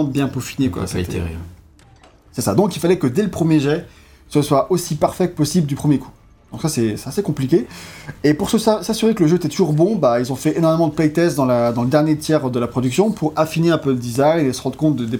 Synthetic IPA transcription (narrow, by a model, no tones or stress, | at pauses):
ɑ̃bjɛ̃pofinekwa̰sḛt̪t̪ḛʁḭ | sɛsad̪ɔ̃kilfalɛkəd̪eləpχəmjeʒɛ | səswaʔosipaʁfɛpɔsibld̪ypχəmjeku̥ | d̪̥ɔ̃ksasɛsɛ̥t̪asekɔ̃plikʲeepuʁsəssasyʁekələʒøet̪ɛt̪uʒuʁbɔ̃bailzɔ̃fɛʔenɔʁmemɑ̃d̪əplɛjt̪ɛsd̪ɑ̃lad̪ɑ̃ləd̪ɛʁnjet̪jɛʁd̪əlapχɔd̪yksjɔ̃pʰuʁafineɛ̃pøləd̪izajnesəʁɑ̃d̪ʁkɔ̃t̪̚d̪əd̪e